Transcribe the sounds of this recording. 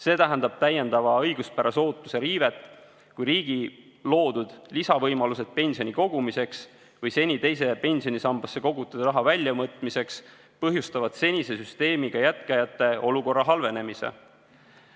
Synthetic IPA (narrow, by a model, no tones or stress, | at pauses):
se̞ːt̪æɦænd̪̥ɑb̥̚t̪æje̞nd̪̥ɑvɑɤjɡ̥uspæɾɑso̞ːt̪ːˑuse̞ɾiːve̞t̪ːˑ | kujɾiːɡ̥i | lo̞ːd̪̥ud̪̥lisɑvɤjmɑluse̞d̪̥̚pe̞nʲsio̞nʲiko̞ɡumise̞ks | vɤjse̞nʲit̪e̞jse̞pe̞nʲsio̞nisɑmb̥ɑsːe̞ko̞ɡ̥ut̪ːˑusɾɑɦɑvælʲjɑmɤt̪ːˑmise̞ks | pɤɦjust̪ɑvɑd̪̥se̞nʲise̞syst̪e̞ːmiɡ̥ɑjæt̪kɑjɑt̪ːˑe̞ʔo̞luko̞rːɑɦɑlve̞ne̞misḛ